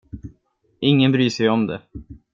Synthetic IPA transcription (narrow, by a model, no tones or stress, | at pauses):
ɪŋːənbɾyːʂɛjɔmd̪ɛ̰